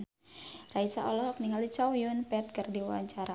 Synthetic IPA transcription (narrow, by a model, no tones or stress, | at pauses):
raisaʔɔlɔɦɔk̚niŋalit͡ʃawjʊnpɛt̪̚kɨrdiwa̰ɲt͡ʃaɾa